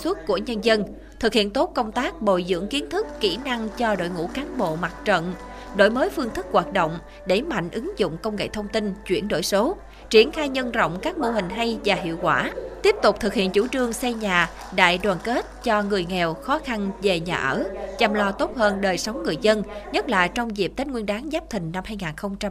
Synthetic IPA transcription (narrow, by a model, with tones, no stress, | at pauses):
swə˦˥t̚ku˧˩əɲə˧nzə˧n | t̪ʰɨ˨˩k̚hḭ˧˨ənt̪o˦˥t̚kə˧wŋ͡mt̪aː˦˥k̚ɓo̰˧˨jzɨ̰˧˥əŋki˨˦ənt̪ʰɨ˦˥kːi˧˩na˧ŋt͡ɕɔ˧ɗo̰˧˨jŋṵ˧˥kaː˨˦nɓo̰˧˨ma˨˩t̚t͡ɕə̰˧˨n | ɗo̰˧˨jməː˨˦jfɨ˧əŋt̪ʰɨ˦˥k̚ːwaː˨˩t̚ɗo̰˧˨wŋ͡m | ɗe˧˩ma̰˧˨jŋ̟ʔɨ˨˦ŋzʊ̰˧˨ŋ͡mkə˧wŋ͡mŋḛ˧˨t̪ʰə˧wŋ͡mt̪i˧nt͡ɕwḭ˧˩ənɗo̰˧˨jso˨˦ | t͡ɕi˧˩ənxaː˧jɲə˧nzə̰˧˨wŋ͡mkaː˦˥k̚mo˧˩hï˨˩ŋ̟ɦa˧jvaː˨˩ɦḭ˧˨əwkwaː˧˩t̪i˦˥əp̚t̪ʊ˨˩k͡p̚t̪ʰɨ˨˩k̚hḭ˧˨ənt͡ɕṵ˧˩t͡ɕɨ˨˩əŋsɛ˧ɲaː˨˩ | ɗa̰ː˧˨jɗwaː˨˩nke˦˥t̚t͡ɕɔ˧ŋɨ˨˩əjŋɛ˨˩wxɔ˨˦xa˧nve˨˩ɲaː˨˩ʔəː˧˩t͡ɕa˨˩mlɔ˧t̪o˦˥t̚həː˧nɗəː˨˩jsə˨˦wŋ͡mŋɨ˨˩əjzə˧nɲə˦˥t̚la̰ː˧˨jt͡ɕɔ˧wŋ͡mzi˨˩p̚t̪ə˦˥n̚ŋwi˧ənɗaː˨˦ŋzaː˦˥p̚t̪ʰï˨˩ŋ̟na˧mhaː˧jŋaː˨˩nxə˧wŋ͡mt͡ɕa˧m